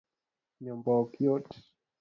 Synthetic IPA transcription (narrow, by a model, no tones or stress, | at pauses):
ɲɔmbɔkjɔt